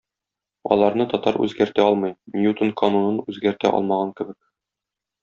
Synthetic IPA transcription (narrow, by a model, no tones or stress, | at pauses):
ɒ̰lˠɑɾnɤt̪ɒt̪ɑɾʉ̰zɡæɾt̪æɒlˠmɤjnʲjut̪onkɐnonɤnʉzɡæɾt̪æ̰ʔɒ̰lˠmɑʁɑŋkɘ̆bɘk̚